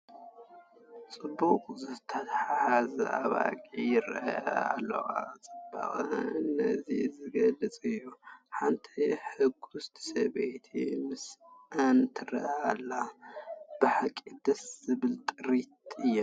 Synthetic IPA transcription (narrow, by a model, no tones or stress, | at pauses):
t͡sʼɨbːuqʼzɨt̪ʰɐt̪ħħazɨaβa̰kʼijɪɾʔɐ̰a̰lːɐ̰wat͡sʼɨb̥a̰xʼɨnːɐ̰zizɨɡɐlɨt͡sʼɨjːuħant̪ʰiħɨɡust̪ʰi̥sɐβet̪ʰḭmɨsʔant̪ʰɨɾʔɐalːa | b̥ɨħakʼid̪ɐszɨβɨlt̪ʼɨɾit̪ɨjːɛ